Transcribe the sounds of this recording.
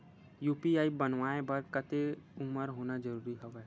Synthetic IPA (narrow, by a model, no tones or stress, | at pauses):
juːpiaːibɐnʋaːẽbɐɾkət̪eʊməɾɦoːnad͡ʒəɾuːɾiɦɐʋɛ